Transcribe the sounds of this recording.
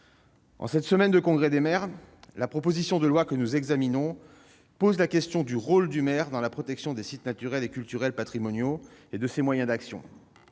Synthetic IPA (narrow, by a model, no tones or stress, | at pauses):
ɑ̰̃sɛt̪səmɛnd̪əkɔ̃ɡʁɛd̪emɛʁlapχɔpozisjɔ̃d̪əlwakənuzɛɡzaminɔ̃ | pozlakʲɛst̪jɔ̃d̪yʁold̪ymɛʁd̪ɑ̃lapχɔt̪ɛksjɔ̃d̪esit̪nat̪yʁɛlekʲylt̪yʁɛlpat̪χimɔnjoed̪əsemwajɛ̃d̪aksjɔ̰̃